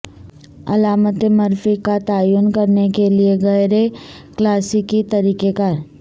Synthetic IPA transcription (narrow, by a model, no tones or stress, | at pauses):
ɐ̰laːmət̪emɐɾfikat̪aːjuːnkɐɾnekelieɣɐjɾe | klaːsikit̪ɐɾiːkekaɾ